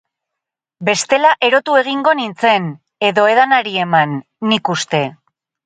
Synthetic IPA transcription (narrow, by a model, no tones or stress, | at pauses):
be̞st̪e̞laʔe̞ɾo̞t̪ue̞ɣ̞iŋɡo̞nint͡se̞n | e̞ðo̞e̞ðanaɾie̞manː | ikust̪e̞